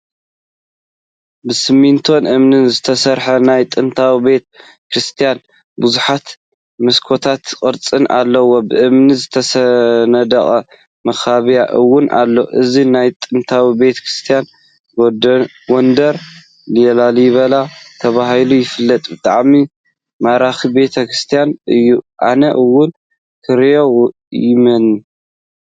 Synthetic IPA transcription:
bɨsɨmint̪ʰo̞nʔɨmnɨnzɨt̪ʰɐsɐɾħɐnajt̪ʼɨnt̪ʰawibe̞t̪̚ | kɾɨst̪ʰijan | buzuħat̪ | mɨskʰo̞t̪ʰat̪kʼɨɾt͡sʼɨnʔa̰lːɐwːo̞bɨʔɨmnizɨt̪ʰɐsɐnɐd̪ɐχʼɐ | mɐxaβijaʔɨwːʊnʔa̰lːo̞̰ʔɨzinajt̪ʼɨnt̪ʰawibe̞t̪ʰɐ̥kɾɨst̪ʰijan | ɡond̪ɐɾ | lɨjɛlaljɪβɐlat̪ʰɐβaɦilujɪfɨlːɐt̪ʼbɨt̪ʼa̰ʕmi | maɾaxibe̞t̪ʰɐkɾist̪ʰijanʔɨjːuʔa̰nɐʔɨwːʊn | kʰɨɾjo | jɪmɐn

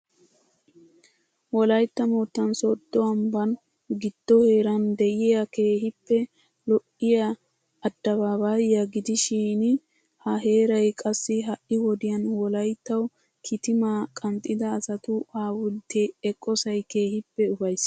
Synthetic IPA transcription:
wɔlɐjt̪ːɐmoːt̪ːɐnsɔd̪̥ːɔɐmbɐn | ɡɪd̪̥ːɔhe̞ːɾɐnd̪ɛʔɪjɐke̞ːhɪpːɛ | lɔʔɪjɐ | ɐd̪̥ːɐbaːbajɐɡɪd̪ɪʃiːn | hɐɦe̞ːɾɐjkʼɐsːɪɦɐʔɪwɔd̪ɪjɐnwɔlɐjt̪ːɐw | kʰɪt̪ɪmaːkʼɐmt̪ʼːɪd̪ɐːsɐt̪ʊaːwʊd̪eɛkʼːɔsɐjke̞ːhɪpːɛʊfɐjs

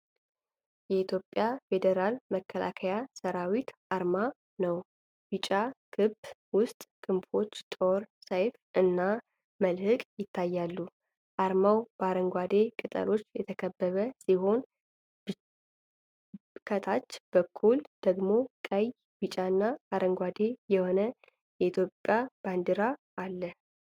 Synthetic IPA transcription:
jɛit̪ʰjo̞pʼːjafe̞d̪eɾalməkʰːəla̰kʰəjasəɾawit̪ʔaɾma | nəw | b̥ɨt͡ʃʼakʰɨbwʊst̪ʼkʼɨmfo̞t͡ʃːt̪ʼo̞ɾsajfʔɨnːa | məlhɨkʼjɪt̪ʰːajːalːu | ʔaɾmawb̥əaɾəŋɡʷad̪e̞kʼɨt̪ʼə̰lo̞t͡ʃːjɛ̰t̪ʰəkʰəbːəβəsiɦo̞n | kʰət̪ʰat͡ʃːb̥əkʰːuld̪̥əɡmo̞kʼəj | bɨt͡ʃʼaɨnːaaɾəŋɡʷad̪e̞jɛho̞nə | jɛit̪ʰjo̞pʼːjab̥and̪iɾaʔːlːə

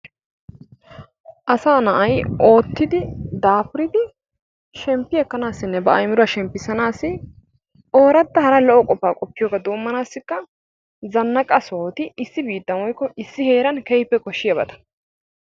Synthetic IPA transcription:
ʔɐsaːnɐʔɐjʔo̞ːt̪ːɪd̪ɪd̪aːpʊɾɪd̪ɪ | ʃɛmpːɪjɛkːɐnaːsːɪnːɛbɐʔɐjmɪɾʊɐʃɛmpːɪsɐnaːsɪ | ʔo̞ːɾɐd̪ːɐhɐɾɐlɔʔɔkʼɔpːaːkʼɔpːɪjoːɡɐd̪oːmːɐnaːsːɪkːɐ | zɐnːɐkʼɐsoːt̪ɪɪsːɪbiːt̪ːɐmɔjkːɔʔɪsːɪhe̞ːɾɐnkɛjpːɛkɔʃːɪjɐbɐt̪ɐ̥

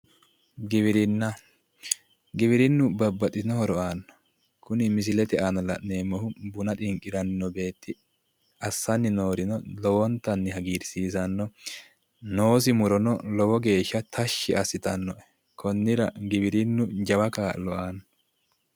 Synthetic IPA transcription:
ɡɪβɪɾɪnːɐ | ɡɪβɪɾɪnːʊbɐbːɐt̪ʼɪnɔhɔɾɔʔaːnːɔ̥ | kʊnɪmɪs̬ɪlɛt̪ɛʔanɐlɐʔneːmːɔhʊbʊnɐt̪ʼɪŋkʼːɪɾɐnnɔbe̞ːt̪ːɪ | ɐsːɐnːɪno̞ːɾɪnɔlɔwɔnt̪ːɐnːɪɦɐɡiːɾsiːsɐnːɔ | no̞ːsɪmʊɾɔnɔlɔwɔɡe̞ːʃːɐt̪ʰɐʃːɪɐsɪt̪ɐnːɔʔɛ | kʰɔnːɪɾɐɡɪbɪɾɪnːʊd͡ʒɐwɐkaːlɔʔaːnːɔ

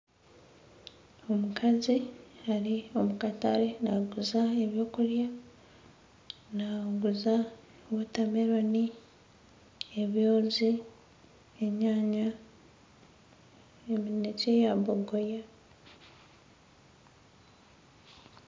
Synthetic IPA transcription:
o̞mukʰazihaɾio̞mukataɾe̞naɡuzaeβjo̞ːkuɾja | naɡuza | wutameɾoni | eβjo̞ːzi | eɲaːɲa | eminecejaβoɡoja

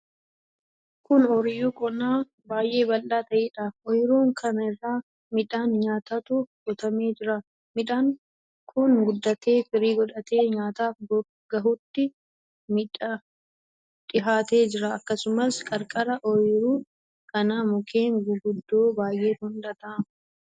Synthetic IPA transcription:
kʊnɔɾɪjuːkʼɔnaː | baːjʔe̞ːbɐlːaːt̪ɐʔiːᶑafʔɔjɪɾuːŋkʰɐnɐɪrːaː | mɪᶑaːnɲaːt̪ɐt̪ʊɡɔt̪ɐmeːd͡ʒɪɾɐ | mɪᶑaːŋ | kʰʊnɡʊd̪ːɐt̪e̞ːfɪɾiːɡɔᶑɐt̪e̞ːɲaːt̪aːfɡ | ɡ̥ɐɦʊt̪ːɪ | mɪᶑɐ | ᶑ̪ɪɦaːt̪e̞ːd͡ʒɪɾɐːkːɐsʊmɐskʼɐɾkʼɐɾɐʔɔjɪɾuː | kɐnaːmʊkʰeːŋɡʊɡʊd̪ːoːbaːjʔe̞ːhʊnd̪ɐt̪ɐ

